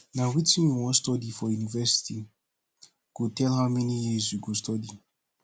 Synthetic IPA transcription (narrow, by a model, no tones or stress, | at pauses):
nãwitʰĩnwɔ̃nstɔdifɔjunivɛsi̥tʰi | ɡ̥otʰɛlhaʊmɛnijizjuɡostɔdi